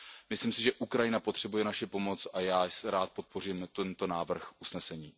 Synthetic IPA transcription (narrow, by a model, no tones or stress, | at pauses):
mɪslimsɪʒɛʔukɾajɪnapot̪r̥ɛbujɛnaʃɪpo̞mo̞t͡sʔajaːsɾaːt̪̚po̞t̪̚po̞riːmt̪ɛnt̪o̞naːvr̩xusnɛsɛɲiː